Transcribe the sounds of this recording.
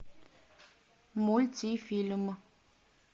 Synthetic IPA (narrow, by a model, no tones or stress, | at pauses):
molt͡sʰifilmə